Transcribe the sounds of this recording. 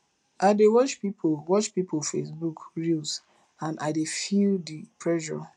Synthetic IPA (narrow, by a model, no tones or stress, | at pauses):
aɪdewɔt͡ʃpipʰowɔt͡ʃpipofesbukɹils | ãndaɪdefildipʰɹɛʃɔ̰